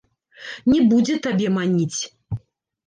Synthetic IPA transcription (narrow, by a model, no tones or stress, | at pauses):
nʲɛbud͡zʲɛt̪abʲɛmanʲit͡sʲ